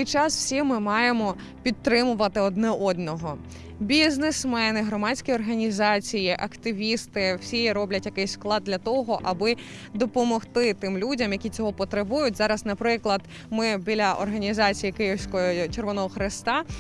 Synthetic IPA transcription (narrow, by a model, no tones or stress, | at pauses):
ɪjt͡ʃɑsw̥sʲimɪmɑjemɔ | pʲid̪̚t̪ːɾɪmʊʋɐt̪ɪɔd̪nɛʔɔd̪nɔɦɔ | bʲiznesmɛnɪɦɾɔmɑdʲsʲkʲiɔrɦɐnʲizɑt͡sʲijiʔɐkt̪ɪʋʲist̪ɪw̥sʲiɾɔblʲɐtʲjɐkɪjsʲsklˠɑd̪dʲlʲɐt̪ɔɦɔʔɐbɪ | d̪ɔpɔmɔxt̪ɪt̪ɪmlʲudʲɐmjɐkʲit͡sʲɔɦɔpɔt̪ɾɪbujʊtʲzɑɾɐznɐpɾɪklˠɐd̪ | mɪbʲilʲɐʔɔ̰rɦɐnʲizɑt͡sʲijikɪjiwsʲkɔɔt͡ʃerʋɔnɔɦɔxɾɪst̪ɑ